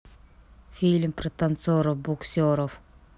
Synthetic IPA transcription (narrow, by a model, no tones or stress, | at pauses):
fʲilʲmpret̪ɐnsoɾofbuksʲoɾof